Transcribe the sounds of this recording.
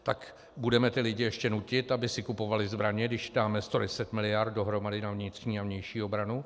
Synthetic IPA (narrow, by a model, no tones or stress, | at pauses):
t̪ak | budɛmɛt̪ɪlɪɟɪjɛʃcɛnucɪt̪abɪsɪkupo̞valɪzbɾaɲɛɡdɪʃdaːmɛst̪o̞dɛsɛt̪mɪlɪjart̪̚do̞ɦɾo̞madɪnavɲɪt̪r̥ɲiːavɲɛjʃiːo̞bɾanu